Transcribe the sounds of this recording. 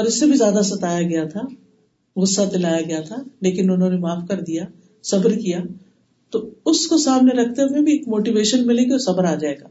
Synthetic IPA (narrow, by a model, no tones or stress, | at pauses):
ɔːɾɪsːebʱizjaːd̪asɐt̪aːjaɡɐjat̪ʰa | ɣʊsːat̪ɪlaːjaɡɐjat̪ʰaleːkɪnʊnɦõːnemaːfkɐɾd̪ija | sɐbəɾkijaː | t̪oʊskosaːmneɾɐkʰt̪emẽbʱieːkmoːʈiʋeːʃənmɪlẽɡeɔɾsɐbəɾaːd͡ʒaːeːɡa̰ː